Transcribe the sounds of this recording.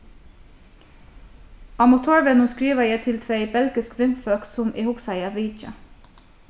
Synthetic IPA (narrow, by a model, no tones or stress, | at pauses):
ɑmɑt̪ʰoːɹʋɛnʊːskɹiːʋəjæɪt̪ʰɪlt̪ʰʋeɪbɛlɡɪskʋɪmfœksʊmʔiːhʊksæɪɑʋiːt͡ʃə